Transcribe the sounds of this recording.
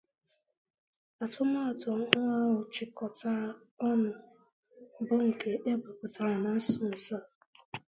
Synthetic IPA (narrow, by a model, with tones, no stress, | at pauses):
a˨tʊ˦m˦a˦a˨tʊ˨˦ɦʊ˦ŋa˦wʊ˨t͡ʃɪ˨kɔ˨ta˨ɾa˨ | ɔ˦nʊ˨ | bʊ˦ŋ̩˨kʰe˦ʔe˦ba˨kʊ˨ta˨ɾa˨na˨˦sʊ˨n̩˨sa˦˨